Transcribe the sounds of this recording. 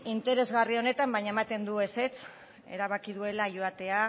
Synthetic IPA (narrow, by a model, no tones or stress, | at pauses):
int̪e̞ɾe̞zɣario̞ne̞t̪ambajɲaemat̪e̞nd̪ue̞se̞t͡s | e̞̰ɾaβ̞akiðue̞laʝoat̪e̞a